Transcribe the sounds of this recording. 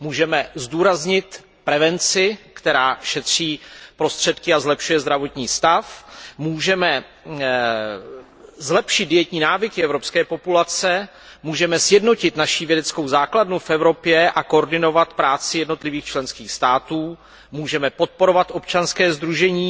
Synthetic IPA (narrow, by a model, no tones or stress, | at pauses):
muːʒɛmɛzduːɾazɲɪt̪ | pɾɛvɛnt͡sɪkt̪ɛɾaːʃɛt̪r̝̥iːpɾo̞st̪r̝̥ɛt̪kɪazlɛpʃujɛzd̪ɾavo̞t̪ɲiːst̪afmuːʒɛmɛ | zlɛpʃɪd̪̚dɪjɛt̪ɲiːnaːvɪkɪɛvɾo̞pskɛːpo̞pulat͡sɛ | muːʒɛmɛsjɛdno̞cɪt̪naʃɪvjɛdɛt͡skowzaːkladnufʔɛvɾo̞pjɛʔakooɾdɪno̞vat̪pɾaːt͡sɪjɛdno̞t̪lɪviːxt͡ʃlɛnskiːxst̪aːt̪uː | muːʒɛmɛpo̞t̪̚po̞ɾo̞vat̪ʔo̞p̚t͡ʃanskɛːzd̪ɾuʒɛɲiː